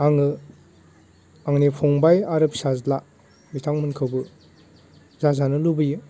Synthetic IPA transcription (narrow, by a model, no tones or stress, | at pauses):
aŋɯ | aŋnipʰɔŋbajaɾɯp̚sazla | mitʰaŋmɯnkʰɯwbɯ | zazanɯlubɯju